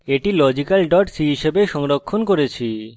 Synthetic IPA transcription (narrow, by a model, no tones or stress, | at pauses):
eʈilɔd͡ʑikalɖɔʈsiɦiʃebeʃɔŋɾokʰːonkoɾet͡ɕʰi